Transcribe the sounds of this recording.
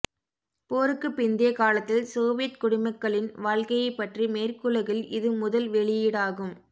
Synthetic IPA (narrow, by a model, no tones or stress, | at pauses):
poːɾɯkːɯpːɪnd̪eːkaːlɐt̪ːɪlsoːʋɪjɐt̪kʊɽɪmɐkːɐɭɪnʋaːɻkɐjɐɪpːɐʈrimeːrkɯlɐɣɪlɪðɯmʊðɐlʋɛɭɪjiːɽaːɣɯm